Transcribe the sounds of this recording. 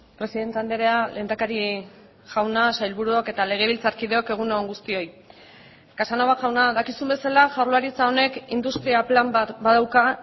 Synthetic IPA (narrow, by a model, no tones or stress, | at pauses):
pɾe̞siðe̞nt̪eand̪e̞ɾeale̞ːnd̪akaɾi | ʝawnasajlβuɾuoke̞t̪ale̞ɣ̞e̞β̞ilt͡saɾkiðe̞o̞ke̞ɣ̞unoŋɡust̪io̞j | kasano̞βaʝawnaðakisumbe̞salaʝawɾloaɾit͡sao̞ne̞kind̪ust̪ɾiaplambaðawka